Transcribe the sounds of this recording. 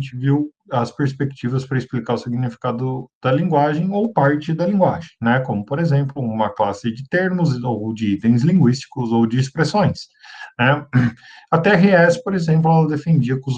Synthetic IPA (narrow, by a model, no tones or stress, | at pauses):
t͡ʃɪviw | ɐspeɾspekt͡ʃivɐspɾɐɪsplikaɾʊsiɡnifi̥kad̪ʊd̪̥ɐlĩŋɡwaʒẽj̃owpaɾt͡ʃɪd̪ɐlĩŋɡwaʒẽj̃nɛkõmʊpoɾezẽmplʊũmɐklasɪd͡ʒɪt̪eɾmʊzod͡ʒɪit̪ẽj̃zlĩŋɡwist͡ʃi̥kʊzowd͡ʒɪːspɾesõj̃snɛ | ɐt̪ɛɦeɛspoɾezẽmp̬lʊɛlɐd̪efẽnd͡ʒiɐkʊz